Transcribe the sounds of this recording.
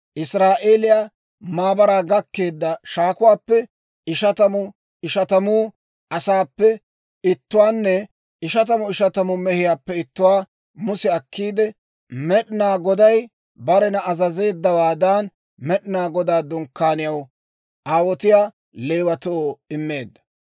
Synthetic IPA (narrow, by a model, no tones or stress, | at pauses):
ʔɪsɾaːʔeːlɪjaː | maːbɐɾaːɡɐkːe̞ːd̪ːɐʃaːkʊwaːpːɛ | ɪʃɐt̪ɐmʊ | ɪʃɐt̪ɐmuː | ʔɐsaːpːɛ | ɪt̪ːʊwaːnːɛ | ɪʃɐt̪̬ɐmʊɪʃɐt̪ɐmʊmɛhɪjaːpːɛɪt̪ːʊwaː | mʊsɛɐkːiːd̪ɛ | mɛɗɪnaːɡɔd̪ɐj | bɐɾɛnɐɐzɐze̞ːd̪ːɐwaːd̪aːn | mɛɗɪnaːɡɔd̪aːd̪ʊŋkːaːnɪjɐw | ʔaːwɔt̪ɪjaː | leːwɐt̪ɔoːɪmːe̞ːd̪ːɐ̥